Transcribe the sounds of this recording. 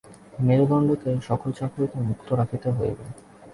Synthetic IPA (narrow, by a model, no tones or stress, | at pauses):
meɾd̪ʱɔɳɖʱokeʃɔkolt͡ɕakɾikemukt̪oɾakʰit̪eɦojbḛ